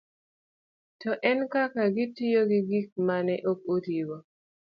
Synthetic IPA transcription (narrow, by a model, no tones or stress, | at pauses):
tɔʔɛnkakaɡɪtijoɡɪɡik̚manɛʔok̚otiwo